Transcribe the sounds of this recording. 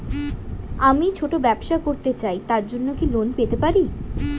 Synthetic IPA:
amit͡ɕʰoʈobɛbʃakoɾt̪et͡ɕajt̪aɾd͡ʑonːokilonpet̪epaɾi

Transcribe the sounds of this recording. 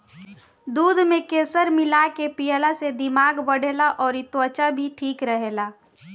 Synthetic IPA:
d̪uːd̪ʱmẽkeːsəɾmɪlakepijəlased̪ɪmaːɡbəɽ̤eːlaʔɔːɾɪt̪wət͡ʃabʱiʈʰiːkɾəɦelaː

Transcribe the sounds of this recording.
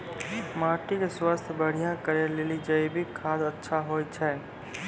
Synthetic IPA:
maːʈikeswast̪ʰjbəɽ̤ijãkəɾeleːlid͡ʒaebʱikʰaːd̪ətːʃʰaɦoːt͡ʃʰɛː

